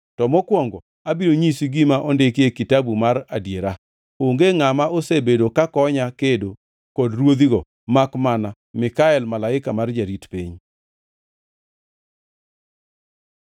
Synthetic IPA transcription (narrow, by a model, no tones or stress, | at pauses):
tɔmɔkwɔŋɡɔ | abiɾoɲisiɡimaʔɔndekekitabumaɾadjeɾa | oŋɡeŋamaosebedokakɔɲakedo | kodrwod̪iɡɔ | makmana | mɪkaɛlmalaɪkamard͡ʒaɾitpḭɲ